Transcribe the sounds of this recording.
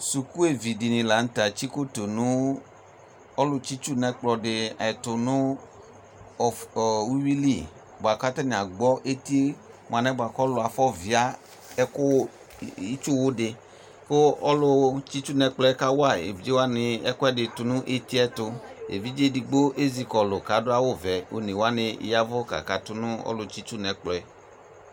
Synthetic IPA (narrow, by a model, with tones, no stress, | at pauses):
su˨ku˦e˨vi˨di˨nɪ̃˨la˨˦n̩˦t̪a˨t͡ʃi˦ko˦t̪o˨nũ˦ | ɔ˦lʊ˦t͡ʃi˦t͡ʃu˦nɛ̃˦k͡plɔ˨dɪ˨a˨t̪ʊ˨nʊ̃˦˨ | wu˦wi˦li˦˨ | bo˨a˨ka˦t̪a˦nɪ̃˨a˨ɡ͡bɔ˦ʔe˦t̪i˦ | m˨ã˨nɛ̃˦ba˨kɔ˦lʊ˨a˨fɔ˦vi˨a˦ | ɛ˦kʊ˦ | i˦t͡ʃʊ˦wʊ˦dɪ˨ | kʊ˦ɔ˦lʊ˦t͡ʃi˦t͡ʃu˦nɛ˨k͡plɔ˦ɛ˦ka˦wʊ˦a˦˨ḛ˨vi˨d͡ʒe˦wa˦nɪ˨ɛ̰˦kʊ˦ɛ˦dɪ˨tʊ˦nʊ̃˦ʔe˦ti˦ɛ˦tʊ˧ḛ˨vi˦d͡ʒe˦di˨ɡ͡bo˦ʔe˦zi˨kɔ˨lʊ˨ka˨˦dʊ˦a˦wʊ˦˨vɛ˨o̰˨ne˨wa˦nɪ̰˨ja˦vɔ˦ka̰˨ka˨tʊ˦nʊ˦ɔ̰˦lʊ˨t͡ʃi˦t͡ʃu˦nɛ˨k͡plɔ˨ɛ˦